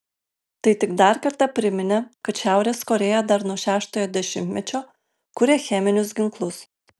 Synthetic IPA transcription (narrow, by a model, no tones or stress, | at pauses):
t̪ɐɪt̪ʲɪɡd̪ɐˑɾkɐɾt̪ɑpʲɾʲɪmʲɪnʲɛkɐt̪ʃʲæˑʊɾʲeːskoːɾʲeːjɛd̪ɐɾnuɔʃʲæːʃt̪oːjoːd̪ʲɛʃʲɪmʲt̪ʲmʲɛt͡ʃʲoː | kʊɾʲeːxʲɛmʲɪnʲʊs̬ɡʲɪŋklˠʊs